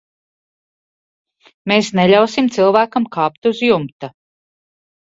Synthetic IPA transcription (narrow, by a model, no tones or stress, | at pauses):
meːsneʎʲawsimt̪silˠvæːkamkʰaːpt̪uzjumt̪a